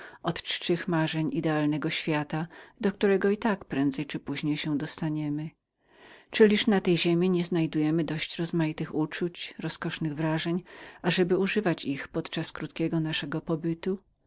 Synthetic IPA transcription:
ɔt̪t͡ʂt͡ʂɘxmaʐɛɲid̪ɛalnɛɡɔɕfʲjat̪ad̪ɔk̚t̪uɾɛɡɔit̪akpɾɛnd̪zɛjt͡ʂɘpuʑɲejɕɛ̃d̪ɔst̪aɲɛmɘ | t͡ʂɘlʲiʂnat̪ɛjʑemʲiɲɛznajd̪ujɛmɘd̪ɔɕt͡ɕɾɔzmajit̪ɘxut͡ʂut͡ɕɾɔskɔʂnɘɣvɾaʐɛɲaʐɛbɘuʐɘvat͡ɕixpɔt̪t͡ʂaskɾut̪kʲɛɡɔnaʂɛɡɔpɔbɘt̪u

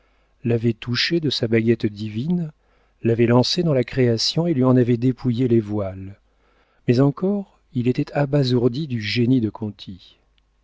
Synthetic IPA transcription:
lavɛt̪uʃed̪əsabaɡʲɛt̪d̪ivin | lavɛlɑ̃sed̪ɑ̃lakχeasjɔ̃elɥiɑ̃navɛd̪epʰujelevwal | mɛzɑ̃kɔʁ | ilet̪ɛt̪ʰabazuʁd̪id̪yʒenid̪əkʰɔ̃t̪ʰi

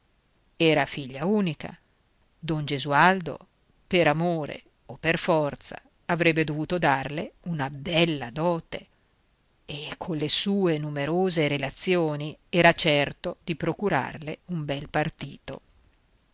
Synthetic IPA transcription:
ɛːɾafiʎːauːnika̰ | d̪ɔnd͡ʒezuald̪o̰ | peɾamoːɾḛ | opːerfɔrt̪sa̰ | avɾɛbːed̪ovuːt̪od̪arleunabɛlːad̪ɔːt̪eː | kʰonlːesuːenumeɾoːzeɾelat̪sːjoːniɛːɾat͡ʃɛrt̪od̪̥ipɾokuɾa̰rleumbɛlpart̪iːt̪o̰

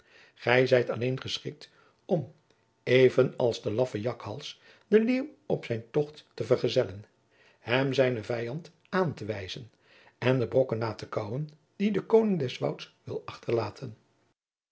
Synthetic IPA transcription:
χɛjzɛjtɑlejnχəsχɪ̰k̚t | ɔm | ejvənɑ̰lˠzdəlɑfəjɑkhɑ̰lˠs | dəlimɔpsɛjntɔχtːəvəɹχəzɛlən | ɦɛmzɛjnəvɛjɑnt | aːntəʋɛjzən | ɛndəbrɔkənːaːtəkʌwən | didəkownɪŋdɛsʋʌ̰wtsʋɪlˠɑχtəɹlaːtʰən

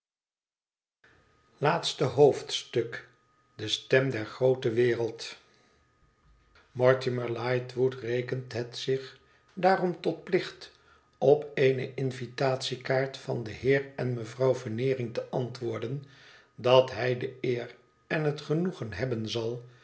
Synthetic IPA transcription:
laːtstəɦowftstɵk | dəstɛmdɛɹχrowtəʋɪːrəlˠt | mɔɹtɪməɹlajtʋutrejkəntɦɛtsɪχ | daːrɔmtɔt̚plɪχt | ɔpeɪnəʔɪnvitaːtsikaːɹtfɑndəhɪːɹɛnməvrɑwvənɪːrɪŋtəʔɑntʋʊːɹdən | dɑtɦɛjdəɪːr | ɛnɦətχənuχənɦɛbənzɑlˠ

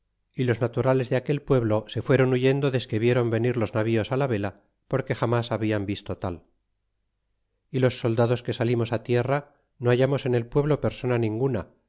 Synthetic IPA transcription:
ilo̞znat̪uɾale̞zðeake̞lpwe̞βlo̞se̞fwe̞ɾo̞nuʝe̞nd̪oðe̞ske̞βje̞ɾo̞mbe̞niɾlo̞znaβ̞io̞salaβe̞la | po̞ɾke̞xamasaβiambist̪o̞t̪al | ilo̞sːo̞ld̪aðo̞ske̞salimo̞sat̪je̞ra | no̞aʝamo̞se̞ne̞lpwe̞βlo̞pe̞ɾso̞nanĩŋɡuna

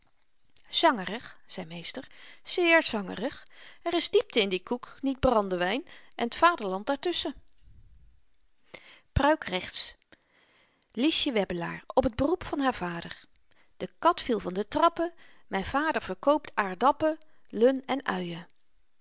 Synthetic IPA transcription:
z̥ɑŋəɾəχz̥ɛjmejstəɹz̥ɪːɹzɑŋə̰rəχɛrɪzdip̚təɪndikuknid̚brɑndəʋɛjnʔɛnətfaːdəɹlɑnt̚daːɹtɵsə | prœɥkrɛχts | liʃjəʋɛbəla̰ːɹɔpəd̚bərupfɑnɦaːɹvaːdəɹ | d̥əkɑtfilˠvɑndətrɑpəmɛjnv̥aːdəɹv̥əɹkowp̚taːɹdɑpəlɵnɛnœɥə

